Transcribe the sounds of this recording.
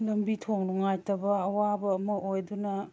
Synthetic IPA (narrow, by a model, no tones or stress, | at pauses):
lɐmbitʰoŋluŋajtɐbɐɐwabɐːmɐʔojdunɐ